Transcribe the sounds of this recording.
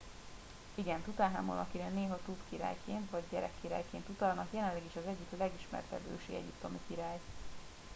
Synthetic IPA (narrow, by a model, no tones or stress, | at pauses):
iɡɛnt̪ut̪aːɦamo̰lɒkiɾɛnːeːɦɒt̪upkiɾa̰ːjkeːnt̪ʋɒɟɟɛɾɛkːiɾa̰ːjkeːnt̪ut̪ɒlnɒkjɛlɛnlɛɡiʃɒzɛɟːiklɛɡiʃmɛ̰rt̪ɛ̰b̪ø̰ːʃḭɛ̰ɟipt̪omikiɾaːj